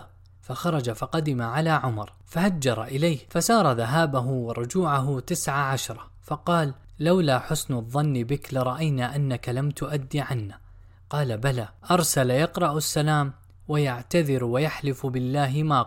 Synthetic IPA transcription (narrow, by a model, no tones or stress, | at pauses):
fɑxɑɾˤɑd͡ʒafɑqɑd̪ɪmaʕalaːʕʊmɑɾˤ | fahad͡ʒːɑɾˤɑʔɪlajhfasɑːɾˤɑðaɦaːbaɦʊwɪɾˤʊd͡ʒuːʕaɦʊt̪ɪsʕaʕaʃɾˤɑ | fɑqɑːlː | awlaːħʊsnðˤːɑnːbɪklɪɾˤɑʔajnaʔanːakalamt̪ʊʔad̪ːiʕanːa | qɑːlabalaːʔɑɾˤsaljɑqɾˤɑʔasːalaːm | wajaʕt̪aðɪɾwajaħlɪfbɪlːaːɦɪmaː